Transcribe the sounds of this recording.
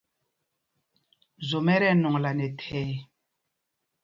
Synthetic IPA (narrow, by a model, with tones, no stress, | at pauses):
zo˨mɛ˦ɾɛ˦˨nɔ˨ŋla˨nɛ˨tʰɛː˦